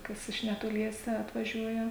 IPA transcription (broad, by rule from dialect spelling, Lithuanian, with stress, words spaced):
ˈkɐs ɪʃ nʲɛtoːˈlʲiɛsʲɛ ɐtʋɐˈʒʲuɔjɛ